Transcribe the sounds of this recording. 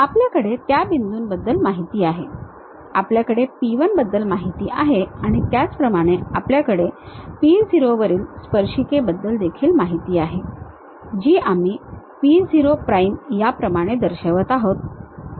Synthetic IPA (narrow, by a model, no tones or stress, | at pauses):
apljakəɽet̪jabind̪uːnbəd̪ːəlmaɦit̪iːaɦe | apljakəɽepiʋənbəd̪ːəlmaɦit̪iːʔaɦeaɽ̃it̪jat͡spɾəmaɽ̃eapljakəɽepid͡ziɾoʋəɾiːlspəɾʂikebəd̪ːəld̪ekʰiːlmaɦit̪iːaɦe | d͡ʑiːʔamiː | pid͡ziɾopɾaimjapɾəmaɽ̃ed̪əɾɕəʋət̪aɦot̪̚